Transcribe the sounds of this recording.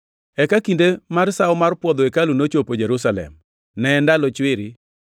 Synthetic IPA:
ɛkakindemaɾsaʊɔmarpwɔd̪ɔekalunot͡ʃopod͡ʒɛɾusalɛ̰m | nɛːndalɔt͡ʃwɪɾɪ

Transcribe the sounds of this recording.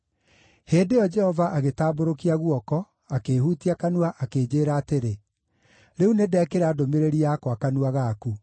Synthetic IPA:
heːdejɔd͡ʒɛhɔvaʔaɣetaːboɾokiaɣuɔkɔ | akehuːtiakanuaʔakeːd͡ʒeːɾaːteɾe | ɾeunedɛːkeɾaːdomeɾeɾiakwakanuaɣaːku

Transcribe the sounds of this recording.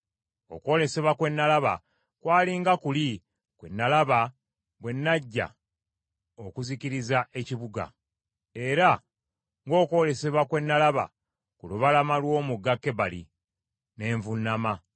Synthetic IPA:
o̞̰kwo̞ːle̞se̞βwakwe̞nːalaβa̰ | kwaːliŋɡakuli | kwe̞nːalaβa | ɡwe̞nːaɟːa̰ | okuziciɾizaʔe̞ciβuɡa̰ | e̞ɾa | ŋɡo̞ːko̞ːle̞se̞βwakwe̞nːalaβa̰ | kuluβalamalwo̞ːmuɡakːe̞βalḭ | ne̞ːɱvunːama

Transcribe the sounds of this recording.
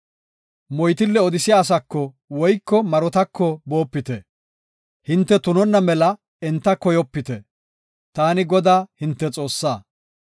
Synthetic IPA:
mɔjt̪̬ɪlːɛɔd̪ɪsɪjaːs̬ɐkːɔ | wɔjkːɔmɐɾɔt̪ɐkːɔbo̞ːpːɪt̪ɛ | hɪnt̪ːɛt̪ʊnɔnːɐmɛlɐ | ɛnt̪ːɐkɔjɔpːɪt̪ɛ | t̪aːnɪɡɔd̪aːhɪnt̪ːɛt͡sʼo̞ːsːaː

